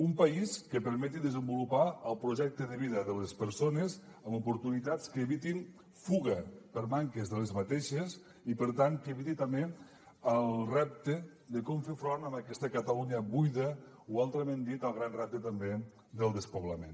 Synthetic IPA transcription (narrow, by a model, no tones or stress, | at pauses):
umpəiskəpəɾmɛt̪iðəzəmbulupaəlˠpɾuʒɛk̚t̪əðəβiðəðələspəɾsonəzəmupuɾt̪unit̪at͡skəːβit̪in | fuɣəpəɾmaŋkəzðələzmət̪eʃes | ipəɾt̪ankəβit̪it̪əmbe | əlˠrɛp̚t̪əd̪əkɔmfefɾonəməkɛst̪əkət̪əluɲəβujðəualˠt̪ɾəmẽnd̪it̪əlˠɣɾanrɛp̚t̪ət̪əmbe | d̪əlˠd̪əspuβləmḛn